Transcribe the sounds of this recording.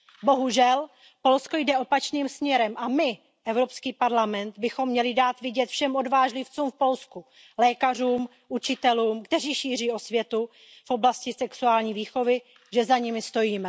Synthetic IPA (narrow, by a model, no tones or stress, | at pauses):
bo̞ɦuʒɛl | po̞lsko̞jdɛʔo̞pat͡ʃniːmsmɲɛɾɛmʔamɪ | ʔɛvɾo̞pskiːpaɾlamɛnd̪bɪxo̞mːɲɛlɪdaːt̪vɪɟɛt̪fʃɛmʔo̞dvaːʒlɪft͡suːmfpo̞lsku | lɛːkar̝uːm | ʔut͡ʃɪt̪ɛluːmkt̪ɛr̝iːʃiːr̝iːʔo̞svjɛt̪u | fʔo̞blascɪsɛksuaːlɲiːviːxo̞vɪ | ʒɛzaɲɪmɪst̪o̞jiːmɛ